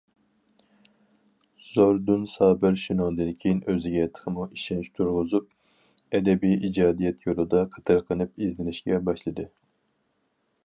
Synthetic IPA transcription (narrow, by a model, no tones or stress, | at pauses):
z̥oɾd̪unsɑːbɪɾʃinɑlˠd̪ɨnkʲʰejinøzɪɡʲɛt̪ʰːə̥χəmuʔiʃɛnt͡ʃt̪ʰuɾʁʊzup̚ | ɛd̪ɛbijid͡ʒɑːd̪ijɛt̪ʰjolˠɨd̪ɑqʰə̥t̪ʰɨɾqʰənɨpizlɪnɪʃkʲɛbɑʃlˠɨd̪ɨ